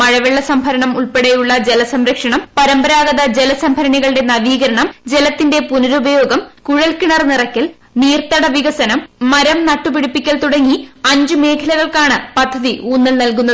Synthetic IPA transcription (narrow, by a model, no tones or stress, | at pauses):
ɐɻɐʋeɭːɐsɐmbʱɐɾɐɳɐmuɭpeɽejuɭːɐd͡ʑe̞lɐsɐmɾɐkʂɐɳɐmpɐɾɐmbɐɾaːɡɐðɐd͡ʑelɐsɐmbʱɐɾɐɳiɣɐɭɨɽe̞nɐʋiːɣɐɾɐɳɐmd͡ʑe̞lɐt̪ːinde̞punɐɾubɐjo̞ːɡɐmkuɻɐlkiɳɐrnirɐkːil | niːrt̪ɐɽɐʋiɣɐsɐnɐmːɐɾɐmnɐʈːupiɽupːikʲːɐlt̪uɽɐŋːiɐɲd͡ʑɨme̞ːkʰɐlɐɣɐɭkaːɳɨpɐd̪ʱːɐðiʔuːnːɐlnɐlkunːɐ